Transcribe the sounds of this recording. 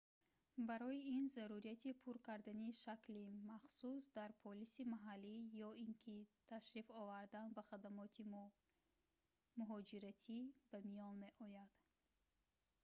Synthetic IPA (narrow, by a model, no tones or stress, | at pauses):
baɾɔiinzaɾuɾiat̪ʰipʰuɾkaɾd̪aniʃaklimaχsusd̪aɾpʰɔlisimaɦalːijɔinkʰit̪ʰaʃɾifɔvaɾd̪anbaχad̪amɔt̪ʰi | muɦɔd͡ʒiɾat̪ʰib̥amijɔnme̞ʔɔjad̪̥